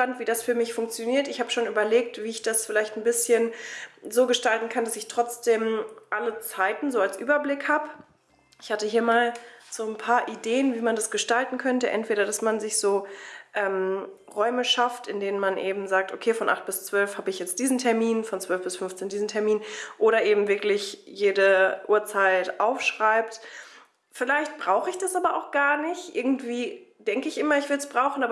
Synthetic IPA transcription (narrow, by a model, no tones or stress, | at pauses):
ʃpantv̥iːdasfyːɐmɪçfʊŋkt͡sjoniːɐtɪçhaːbəʃoːnyːbɐleːk̚tv̥iːɪçd̥asfɪlaɪçtn̩bɪsçənzoːɡəʃtaltn̩kʰandasɪçtʁ̥ɔt͡sd̥eːmʔalət͡saɪtn̩zoːalsʔy̰ːbɐblɪkhaːbə | ʔɪçhatəɦiːɐmaːlz̥oːnpʰaːɐʔideːənviːmandasɡ̥əʃtaltn̩kʰœntəʔɛ̰ntv̥eːɾɐdasmanzɪçz̥oːʔɛːm | ʁɔʏməʃaftɪndeːnənmanʔeːbm̩zaːk̚to̰kʰeːfɔnʔa̰χt̚b̥ɪst͡sv̥œlfhaːbəɪçjɛt͡st̚d̥iːzn̩tʰɛɐmiːnfɔnt͡sv̥œlfb̥ɪsfʏnft͡seːndiːzn̩tʰɛɐmiːnʔoːɾɐʔeːbm̩vɪɐklɪçjeːdəʔuːɐt͡saɪtʔaʊfʃʁ̥aɪp̚t | fɪlaɪçt̚b̥ʁaʊxəɪçd̥asʔaːbɐʔa̰ʊxɡ̥aːɐnɪçtʔɪ̰ɐɡŋ̩tv̥iːd̥ɛŋkəɪçʔɪmɐɪçv̥ɪɐdsb̥ʁaʊxn̩aːbɐ